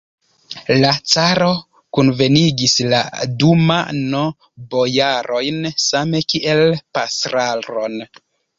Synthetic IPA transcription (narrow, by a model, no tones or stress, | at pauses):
lat͡saɾo̞ | kunve̞niɡisla̰duma̰no | bo̞jaɾʔo̞jnsame̞kiʔe̞lpasɾalɾo̞n